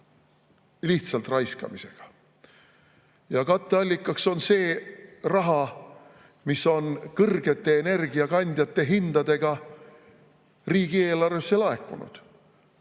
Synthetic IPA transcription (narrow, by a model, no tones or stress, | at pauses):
liht̪sɑlt̪rɑjskɑ̰mise̞̰ɡ̥ɑ̥ | jɑkɑt̪ːˑe̞ɑlʲːikːˑɑkso̞nse̞ːrɑɦɑ | misːo̞nkɤrɡe̞t̪ːˑe̞ːne̞rɡ̥iɑkɑnʲd̪̥ʲjɑt̪ːe̞ɦind̪̥ɑd̪e̞ɡ̥ɑ | riːɡ̥ie̞ːlɑrve̞sːe̞lɑe̞kˑːṵnṵd̪̥